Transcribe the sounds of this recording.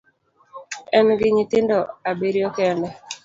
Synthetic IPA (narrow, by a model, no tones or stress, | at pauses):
ɛnɡɪɲɪt̪ɪndɔabiɾjɔkɛndɛ